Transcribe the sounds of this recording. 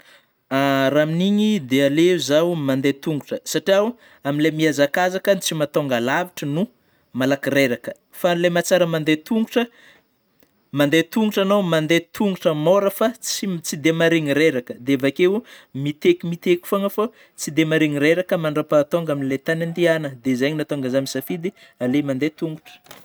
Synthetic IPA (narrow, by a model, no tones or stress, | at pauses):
aɾaminiɲid̪ealeuzawmand̪et̪uŋɡuʈ͡ʂəsaʈ͡ʂiaw | aminlemiazakazakənt͡simat̪oŋɡalaviʈ͡ʂənu | malakiɾeɾakə | falemat͡saɾəmand̪et̪uŋɡuʈ͡ʂə | mand̪et̪uŋɡuʈ͡ʂanowmand̪et̪ʰuŋɡuʈ͡ʂəmoɾəfat͡sit͡sid̪emaɾiɲiɾeɾakəd̪eavakewmit̪ekimit̪ekʲu̥foŋəfo | t͡sid̪emaɾiɲiɾeɾakəmaɳɖ͡ʐapat̪oŋɡaminlet̪anand̪ianəd̪ezaɲinat̪oŋɡəzamisafid̪i | alemand̪et̪uŋɡuʈ͡ʂə̥